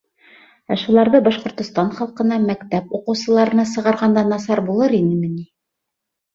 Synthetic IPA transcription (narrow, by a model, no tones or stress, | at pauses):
æʃulˠɑɾðɤbɑʃqŏɾt̪ŏst̪ɑnχɑlˠqɤ̆nɑmækt̪æpuqɤ̆wsɤ̆lˠɑɾɤ̆nɑsɤ̆ʁɑɾʁɑnd̪ɑnɑsɑɾbulˠɤɾinɘmɘ̆ni